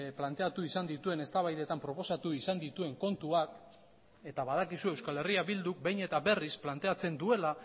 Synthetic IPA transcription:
plant̪e̞at̪uisand̪it̪ue̞ne̞st̪aβajðe̞t̪ampɾo̞po̞sat̪uisand̪it̪ue̞ŋko̞nt̪uak | e̞t̪aβað̞akisue̞wskale̞riaβild̪uk̚bejɲe̞t̪abe̞risplant̪e̞at͡se̞nd̪ue̞la

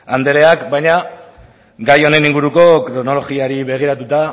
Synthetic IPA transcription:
and̪e̞ɾe̞akbajɲa | ɡajo̞ne̞niŋɡuɾuko̞kɾo̞no̞lo̞ɣiaɾiβe̞ɣ̞iɾat̪ut̪a

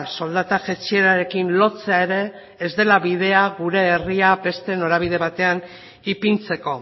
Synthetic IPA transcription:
so̞ld̪at̪aʝet͡sie̞ɾaɾe̞kinlo̞t͡seaeɾe̞ː | zd̪e̞laβiðe̞aɣuɾe̞ːriabe̞st̪e̞no̞ɾaβiðe̞β̞at̪e̞an | ipint͡se̞ko̞

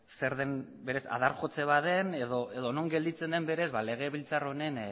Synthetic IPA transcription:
se̞ɾðe̞m | be̞ɾe̞sa̰ðaɾxo̞t͡se̞βaðe̞neðoe̞ðo̞no̞ŋɡe̞ld̪it͡se̞nd̪e̞mbe̞ɾe̞zβale̞ɣ̞e̞βilt͡saro̞ne̞n

